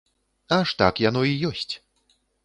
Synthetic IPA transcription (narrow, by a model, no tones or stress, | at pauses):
aʂt̪a̰kjanɔijɔsʲt͡sʲ